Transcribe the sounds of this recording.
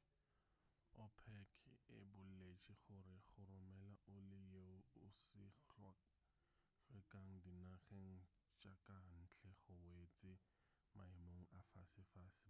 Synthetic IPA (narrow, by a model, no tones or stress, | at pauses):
ɔpʰɛkʰɪbʊllet͡ʃʼiχʊɾɪχʊrʊmɛlaʔʊlɪjeʊʊsɪɬa | fɪkʼaŋ̩dinaχeŋ̩ | t͡ʃʼakʼan̩t͡ɬʰɛχʊwet͡sʼɪ | maɪmoŋ̩afasɪfaːsɪ